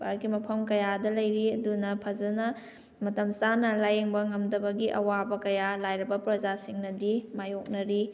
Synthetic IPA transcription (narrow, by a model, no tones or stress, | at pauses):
ba̰ɾɡimɐpʰɐmkɐjadɐlɐjɾiɐdunɐpʰɐd͡ʒɐnɐ | mɐtɐmsanɐlajeŋbɐŋɐmdɐbɐɡiʔɐ̰wabɐkɐjalajɾɐbɐpɾɐd͡ʒasiŋnɐdimajok̚nɐɾi